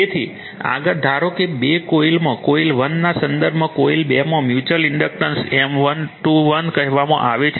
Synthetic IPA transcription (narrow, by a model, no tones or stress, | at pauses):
et̪ʰi | a̰ɡəɾd̪ʱaɾokebekoilmãkoilʋənːasənd̪əɾbʱmãkoilbemãmjut͡ʃəliɳɖək̚ʈənsemʋənʈuʋənkəɦʋamã̰ʔaʋet͡ʃʰ